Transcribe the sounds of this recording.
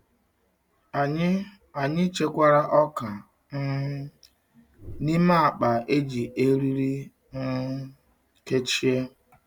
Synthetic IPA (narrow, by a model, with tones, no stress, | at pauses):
a˨ɲɪ˦t͡ʃe˦kʷa˦ɾa˦ʔɔ˦ka˨ | ŋ̩˦ | ni˦ma˦a˨k͡pa˨ʔe˦d͡ʒi˨ʔe˦ɾi˦ɾi˦ | ŋ̩˦ | ke˦t͡ʃi˦e˦